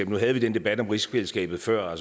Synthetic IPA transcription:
b̥nuɦæð̞̩ˠʋid̥enəd̥e̝b̥æd̥ɒ̽mʁisfelsɡ̥ɛ̰ːb̥ð̞̩ˠfɶɐ̰ɒs

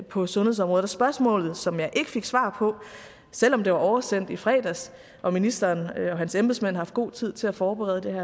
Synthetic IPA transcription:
pʰɒ̽sɔnhe̝sɒ̽mʁɔ̽ðˠɑsb̥ɶɐsmɔ̰ːlð̞̩ˠsɒ̽mjɑ̈ɪʔe̝ɡ̥ə̥fe̝ɡ̥sʋɑ̰̈ːpʰɒ̽ | sel̰ɒ̽md̥e̝ʋɑ̈ʔɒʊɐsen̰d̥ifʁɛ̰ːd̥æs | ʔɒ̽minisd̥ɐːnɒ̽ɦænsemb̥ð̩ˠsmæn̰hɑhɑfd̥ɡ̥o̝̰ːt͡sʰið̞̰ˠt͡sʰe̝læfɒːb̥eʁɛð̞ˠəd̥e̝hæɐ̰

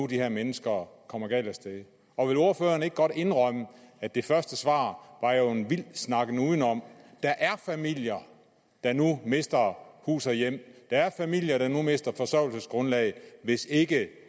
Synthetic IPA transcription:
ud̥iheɐmenəsɡ̥ɐkʰɒ̽m̰ɐɡ̥ɛ̰ːlæsd̥e | ɒ̽ʋe̝lo̝ɐføːɐne̝ɡ̥̚ɡ̥ɒ̽ɾ̥e̝nʁɒməæd̥e̝fɶɐsd̥əsʋɑ̰̈ːʋɑ̈jo̝e̝nʋil̰snɑ̈ɡ̥ənuðˠn̩ɒ̽m̰d̥ɑ̈ʔæɐfæmil̰jɐ | d̥ɑ̈nume̝sd̥ɐhṵːsɐjem̰d̥ɑ̈æɐfæmil̰jɐɾ̥ɑ̈nume̝sd̥ɐfɒ̽sœʊl̩səsɡ̥ʁɔ̽nlɛːɪʋe̝se̝ɡ̥ə

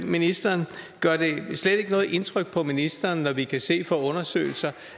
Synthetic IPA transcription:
minisd̥ɐːnɡ̥ɶɐd̥e̝sled̥e̝ɡ̥ənɔ̽ːð̩ˠʔe̝nt͡sʰʁœɡ̥̚pʰɒ̽minisd̥ɐːnːɒʋikʰæse̝̰ːfɒɔ̽nɐsø̰ːɪl̩sɐ

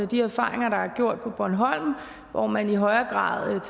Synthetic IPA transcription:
əd̥iæfɑ̰̈ːʁeŋɐɾ̥ɑ̈æɐɡ̥jo̝ɐ̰d̥̚pʰɒ̽b̥ɒɐnɦɒ̽l̰m | ʋɒ̰mæniɦɒ̽ɪɐɡ̥ʁɑ̰̈ːðˠt͡sʰ

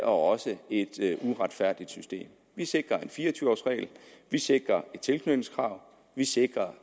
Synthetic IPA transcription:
ɒ̽ɒ̽səe̝d̥uʁɑ̈d̥fæɐ̰d̥id̥sysd̥e̝̰ːm | ʋise̝ɡ̥ʁɐe̝nfiːɐɒt͡sʰyːʊɒ̰ːsʁɛ̰ɪlʋise̝ɡ̥ʁɐe̝d̥̚t͡sʰe̝lkʰnøb̥̩skʰʁɑ̈ʊ | ʋise̝ɡ̥ʁɐ

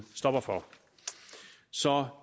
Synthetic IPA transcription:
sd̥ɒb̥ɐfɒ | sɒ

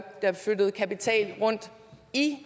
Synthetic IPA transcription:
d̥ɑ̈fød̥əð̩ˠkʰæpit͡sʰɛ̰ːlʁɔ̽n̰d̥ | i

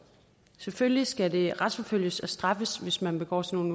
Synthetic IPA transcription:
seføljisɡ̥æde̝ʁɑd̥sfɒ̽føl̰jəsæsd̥ʁɑ̈fəsʋe̝smænb̥e̝ɡ̥ɒ̰ːsʰeno̝ːn

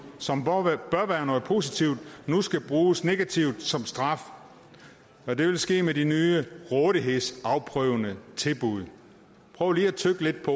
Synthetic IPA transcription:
sɒ̽mb̥ɶɐʋæːɐnɔ̽ð̩ˠpʰo̝sit͡sʰiʊ̰d̥nusɡ̥æb̥ʁuːsne̝ɡ̥æt͡sʰiʊd̥sɒ̽msd̥ʁɑ̈f | ɒ̽d̥e̝ʋe̝lsɡ̥e̝̰ːmeɾinyːəʁɔðˠiɦe̝ð̰ˠsɑ̈ʊpʰʁœʊənət͡sʰe̝lb̥uð̞̰ˠ | pʰʁœːʊliːæt͡sʰøɡ̥əle̝d̥̚pʰɒ̽

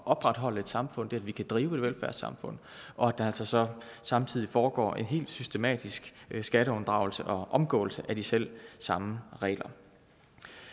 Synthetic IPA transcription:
ʔɒ̽b̥ʁɑ̈d̥ɦɒ̽l̰əe̝d̥sɑ̈mfɔ̽n̰d̥e̝ædʋikʰæd̥ʁiːʊe̝d̥ʋelfæɐsɑ̈mfɔ̽n̰ | ʔɒ̽æd̥ɑ̈æl̰sɒ̽sɒ̽sɑ̈mt͡sʰið̞̰ˠifɒːɡ̥ɒ̰ːʔe̝nɦe̝̰ːld̥sysd̥e̝mɛ̰ːd̥isɡ̥sɡ̥æɾəɔ̽nd̥ʁɑ̈ʊl̩səʔɒ̽ʔɒ̽mɡ̥ɔ̰̽ːl̩səʔæd̥isel̰sɑ̈məʁɛ̰ːlɐ

